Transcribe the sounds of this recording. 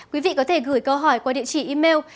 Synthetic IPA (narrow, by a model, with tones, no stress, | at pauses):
kwi˨˦vḭ˧˨kɔ˨˦t̪ʰe˧˩ɣɨː˧˩jkə˧wɦɔ˧˩jkwaː˧ɗḭ˧˨ət͡ɕi˧˩ʔi˧me˧w